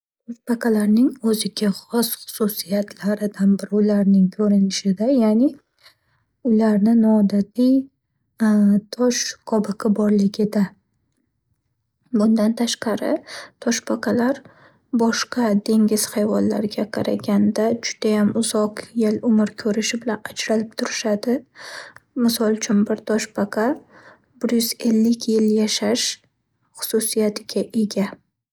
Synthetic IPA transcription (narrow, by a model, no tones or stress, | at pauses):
t̪ʰɒʃpaqʰɑlaɾnɪŋɵzɪɡʲaχɒsχʊ̥susijat̪ʰlaɾɪd̪anbɪɾɪʊlaɾnɪŋkʰɵɾɪnɪʃɪd̪ajanɪ | ʊlaɾnɪnɒːd̪at̪ʰij | t̪ʰɒʃqʰɒbɨqʰɪbɒɾlɪɡʲɪd̪a | bʊnd̪ant̪ʰaʃqɑɾɪt̪ʰɒʃpʰaqʰɑlaɾ | bɒʃqɑd̪e̞ŋɡʲɪz̥hajvɒnla̰ɾɪɡʲaqʰɑɾa̰ɡʲand̪ad͡ʒʊd̪̥ajamʊzɒqjelʊmɪɾkʲʰɵɾɪʃɪbɪlanad͡ʒɾalɪp̚t̪ʰʊɾɪʃad̪ɪ | mɪsɒlˠt͡ʃʰʊnbɪɾt̪ʰɒʃbaqʰɑ | bɪɾjʏze̞lːɪkʲjɪljaʃaʃ | χʊ̥sʊsijat̪ʰɪɡʲaʔe̞ɡʲa